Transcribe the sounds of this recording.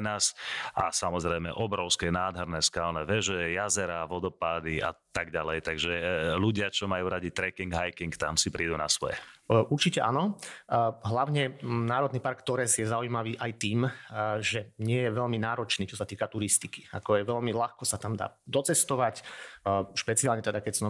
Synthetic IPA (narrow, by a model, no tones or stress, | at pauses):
ɛnaːsasamɔzɾɛjmɛ̰ʔɔbɾɔʊskɛnaːd̪ɦɛɾnɛːskaːlnɛːʋɛʒɛjazɛɾaʋɔd̪ɔpaːd̪iʔa̰t̪aɡɟalɛjt̪aɡʒɛluɟɪat͡ʃɔmajuːɾaɟit̪ɾɛkiŋɡɦajkiŋkt̪amsipɾiːd̪una̰sʋɔ̰jɛ̰ʔuɾt͡ʃicɛʔanɔ | ɦlaʊɲɛnaːɾɔd̪niːpaɾkt̪ɔɾɛzjɛzaujimaʋiːʔajt̪iːmʒɛɲɪɛjɛʋɛʎminaːɾɔt͡ʃniːt͡ʃɔsat̪iːkat̪uɾist̪iki̥a̰kɔjɛʋɛʎmilaxkɔsat̪amd̪a̰ːd̪ɔt͡sɛst̪ɔʋacː | ʃpɛt͡sialɲɛt̪ɛd̪akɛsn